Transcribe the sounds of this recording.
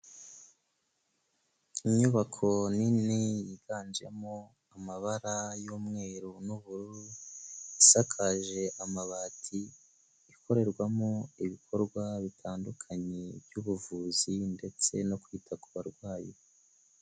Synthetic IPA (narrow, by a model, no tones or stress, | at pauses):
iɲuβakʰo̞ninejiɡaːnd͡ʒe̞̰mo | amaβaɾajuːmŋe̞ːɾunuβuɾuɾu | isakʰaʒe̞ʔamaβaːtʰiː | kʰo̞ɾe̞ɾɡwamoiβikʰo̞ɾɡwaβitʰaːndukʰaɲebjuβuvuːzinde̞t͡se̞no̞kwiːtʰakuβaɾɡwaːji